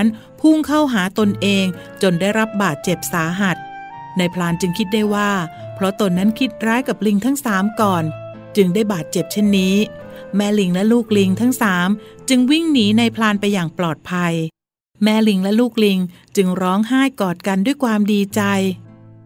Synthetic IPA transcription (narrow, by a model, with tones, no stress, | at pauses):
n | pʰu˥˩ŋkʰa˥˩wɦaː˩˦t̪o˧nʔeː˧ŋ | t͡ɕo˧ndaː˥˩jɾa˦˥p̚baː˨˩t̪̚t͡ɕe˨˩p̚saː˩˦ɦa˨˩t̪̚ | na˧jpʰlaː˧nt͡ɕɯ˧ŋkʰi˦˥t̪̚daː˥˩jwaː˥˩pʰɾɔ˦˥t̪o˧nːa˦˥nkʰi˦˥t̪̚ɾaː˦˥jka˨˩p̚li˧ŋt̪ʰa˦˥ŋsaː˩˦mkɔː˨˩n | t͡ɕɯ˧ŋdaː˥˩jbaː˨˩t̪̚t͡ɕe˨˩p̚t͡ɕʰe˥˩nːiː˦˥mɛː˧˥li˧ŋlɛ˦˥luː˥˩k̚li˧ŋt̪ʰa˦˥ŋsaː˩˦mt͡ɕɯ˧ŋwi˥˩ŋniː˩˦na˧jpʰlaː˧npa˧jːaː˨˩ŋplɔː˨˩t̪̚pʰa˧j | mɛː˧li˧ŋlɛ˦˥luː˥˩k̚li˧ŋ | t͡ɕɯ˧ŋɾɔː˦˥ŋɦaː˥˩jkɔː˨˩t̪̚ka˧ndu˥˩əjkʰwaː˧mdiː˧t͡ɕa˧j